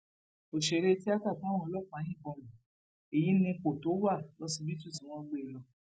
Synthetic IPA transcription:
o˨ʃe˨˦ɾe˦ti˦a˦ka˦˨ta˨˦w̃ɔ̃˧ɔ˧lɔ˦˨k͡pã˨˦jĩ˦˨kɔ̃˧˨mũ˨ | e˨ji˨˦nĩ˧k͡po˨to˨˦wa˦˨lɔ˧˦sĩ˧bi˦tu˦˨sĩ˨w̃ɔ̃˧˦ɡ͡be˧˨lɔ˧

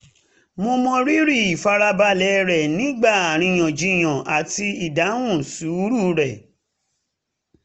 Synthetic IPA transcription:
mo˧mɔ̃˧ɾi˦ɾi˦˨i˨fa˧ɾa˧ba˧lɛ˨˦ɾɛ˨nĩ˨˦ɡ͡ba˦˨a˨ɾ̃ĩ˧j̃ɔ̃˨d͡ʒĩ˧j̃ɔ̃˨ʔa˨ti˧i˨da˨˦wũ˦˨su˨˦ɾu˦˨ɾɛ˨

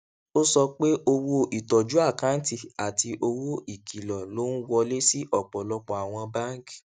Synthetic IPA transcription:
o˦sɔ˧k͡pe˦ʔo˧wo˧ʔi˨tɔ˨d͡ʒu˨˦a˦˨kã˨˦n̩˦ti˦˨a˨tʰi˧ʔo˧wo˦i˨kʰi˨lɔ˨lo˨˦n̩˦wɔ˧le˦si˦ʔɔ˦˨k͡pɔ˨lɔ˧k͡pɔ˨a˨w̃ɔ̃˧ba˦ŋ˦k

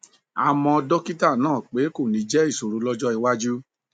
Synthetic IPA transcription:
a˨mɔ̃˧dɔ˦ki˦ta˦˨nãː˦˨k͡pe˨˦ko˦˨nĩ˨˦d͡ʒɛ˦i˦˨so˨ɾu˨˦lɔ˦d͡ʒɔ˦i˨wa˦d͡ʒu˦

